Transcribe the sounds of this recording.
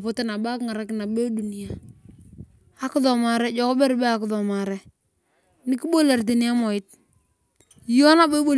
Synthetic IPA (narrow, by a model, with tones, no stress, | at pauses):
pʊ˦tɪ˦na˨ba˦kŋa˨ɾa˨˦kna˨be˦du˨ni˨ja˦˨ | a˨ki˦ðɔ˨ma˨ɾɛ˦d͡ʒɔ˨kɔ˦bɛ˦ɾbɛ˦a˨kɪ˨ðɔ˨ma˨ɾɛ˦ | ni˦ki˦bo˦le˨ɾt̬i˨ni˦a˦mɔ˨ɪ˦t̚ | jɔ˦na˦be˦bo˦˨